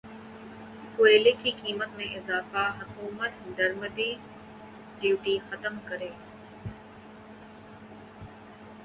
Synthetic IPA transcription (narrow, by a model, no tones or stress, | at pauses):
kʊeːlekikiːmət̪mẽɪzaːfaɦɐkuːmət̪d̪ɐɾməd̪iː | ɖiuːʈixɐt̪əmkɐɾeː